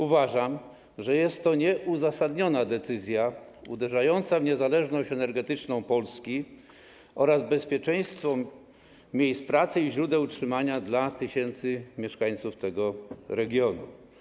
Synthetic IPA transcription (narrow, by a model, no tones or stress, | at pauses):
uvaʐam | ʐɛjɛst̪ːɔɲɛʔuzasad̪ɲɔnad̪ɛt̪sɘzʲja | ṵd̪ɛʐajɔnt̪savɲɛzalɛʐnɔɕt͡ɕɛnɛɾɡɛt̪ɘt͡ʂnɔ̃w̃pɔlskʲi | ɔɾazbɛspʲjɛt͡ʂɛ̃j̃st̪fɔ | mʲjejspɾat̪sɘiʑɾud̪ɛwtʂɘmaɲad̪lat̪ɘɕɛnt̪sɘmʲjɛʂkaj̃t̪suft̪ɛɡɔɾɛɡʲjɔnṵ